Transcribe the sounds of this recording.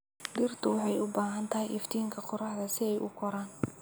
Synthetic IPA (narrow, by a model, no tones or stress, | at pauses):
d̪ɪrt̪ʰʊwɑħɑjʊbaːɦɐnt̪ʰɐɦɪjʔɪft̪ʰiːŋkʰɐqʊɾɑħðɐsɪɛjʔʊkʰɔɾaːn